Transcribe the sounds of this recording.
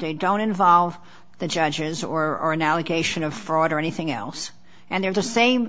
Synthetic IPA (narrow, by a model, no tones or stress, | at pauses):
ðeɪdõʊ̃ɾ̃ɨ̃ɱvɑlˠv | ðɨd͡ʒʌd͡ʒɪzə˞ə˞ɨ̃nælˠɨɡeɪʃɨ̃nʌv̥fɹɔɾə˞ɛniθɪ̃ŋɛ̰lˠs | ʔɨ̃nðə˞ðɨsẽɪ̃m